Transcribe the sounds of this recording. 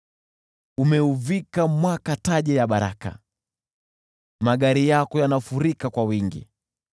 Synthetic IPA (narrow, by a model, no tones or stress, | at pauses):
umɛuvikamwakataʄɛjaɓaɾa̰ka̰ | maɠaɾijakɔjanafuɾikakwawiŋɡḭ